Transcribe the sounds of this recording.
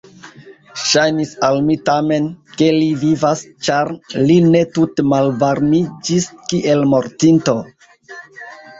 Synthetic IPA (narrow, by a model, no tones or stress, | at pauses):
ʃajnisalmitame̞nke̞livivast͡ʃaɾline̞tutemalvaɾmid͡ʒiskiʔe̞lmo̞ɾtinto̞